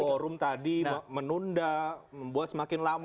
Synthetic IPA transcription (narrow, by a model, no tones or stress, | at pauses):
oɾʊmt̪adimənundaməmbuat̪̚səmakɪnlam